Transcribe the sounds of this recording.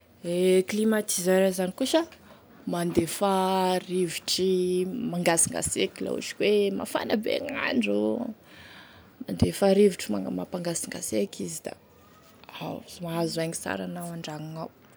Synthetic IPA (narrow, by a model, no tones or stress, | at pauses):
eklimat̪izaɾazanikuʃə | mand̪efariviʈ͡ʂimaŋɡasiŋɡa̰sekila̰ṵt͡ʃi̥kwema̰fa̰nəbḛŋa̰ɳɖ͡ʐu | mand̪efaɾiviʈ͡ʂimamapaŋɡasiŋɡasekʰizid̪a̰ | a̰wzmaazaɲisa̰ɾanawaɳɖ͡ʐaŋaŋaw